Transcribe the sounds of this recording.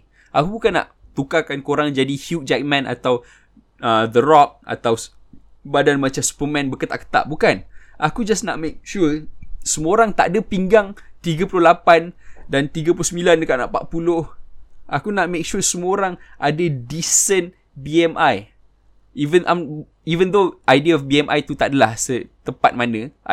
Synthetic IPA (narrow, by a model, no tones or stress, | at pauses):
ʔakubukanːa̰ʔt̪ukakankoɾaŋd͡ʒadihut̚d͡ʒak̚mãnʔa̰t̪aw | əd̪ərɔk̚a̰t̪awsbadanmat͡ʃamsu̥pəmɛ̃nbəkət̪aʔkə̥t̪a̰ʔbukanʔakud͡ʒasna̰ʔmek̚ʃusəmuoɾaŋt̪aʔadapiŋɡaŋt̪iɡapulʊhlapandant̪iɡəpulʊsəmbilandəkaʔna̰ʔpa̰ʔ̚pulʊhʔakunaʔ̚mek̚ʃusəmuoɾaŋʔadədisən | biɛmʔaj | ivə̃nʔa̰m | ivə̃nd̪oʔajdiaɔfbiɛmʔa̰jt̪ut̪aʔdalahsət̪əmpa̰t̪̚manə